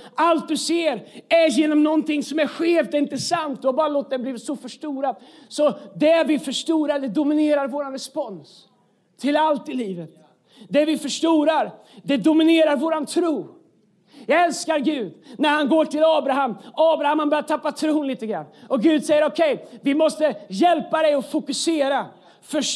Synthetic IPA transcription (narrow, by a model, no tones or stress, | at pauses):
ʔalt̪̚d̪ɵseːɾæɾjeːnɔmnɔnt̪ʰɪŋːsɔmæɾɧeːfd̪ɛɪnt̪əɛsant̪̚d̪ɵhabɑːɾaloːt̪̚d̪ɛbliːvsɔfœʂʈuːɾad̪sɔd̪ɛæɾvɪfœʂʈuːɾaɖ̪ɛd̪ʊmɪneːɾaɾvoːɾanɾɛspɔns | t̪ʰɪlalt̪ɪliːvət̪ | d̪ɛvɪfœʂʈuːɾaɾ | d̪ɛd̪ʊmɪneːɾaɾvoːɾant̪ʰɾuː | jɑːɡɛlskaɾɡʉ̟ːd̪næɾhanɡoːʈɪlɑːbɾaɦamɑːbɾahamhanbœɾjaʈ̪ʰapːat̪ʰɾuːnliːt̪əɡɾa̰nːɔɡʉ̟ːd̪sɛjːəɾɔkʰɛjvɪmɔst̪əjɛlpad̪ɛjɔfʊkɵseːɾa | fœʂ